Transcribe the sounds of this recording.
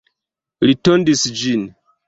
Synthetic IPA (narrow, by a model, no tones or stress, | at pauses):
litondisd͡ʒin